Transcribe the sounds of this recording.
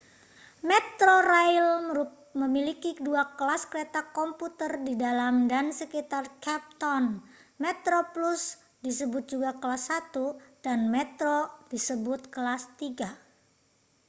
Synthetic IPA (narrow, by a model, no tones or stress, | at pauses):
mɛt̪ɾoɾajl | məmilikiduakəlaskəɾet̪akɔmput̪ərdidalamdansəkit̪arkɛp̚t̪ɔnmɛt̪ɾoplus | disəbʊt̪̚d͡ʒuɡakəlasːat̪ud̥anmɛt̪ɾod̥isəbʊt̪̚kəlast̪iɡa